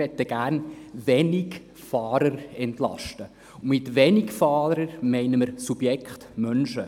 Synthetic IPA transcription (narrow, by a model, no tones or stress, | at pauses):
ɛt̪ːəɡ̥æːɾnʋɛnɪk | fɑːɾəɾɛntlɑ̰ʃtə | mɪt̪ʋɛnɪɡfɑːɾəɾmɛɪnəməɾsub̥jɛkχtmœnʃə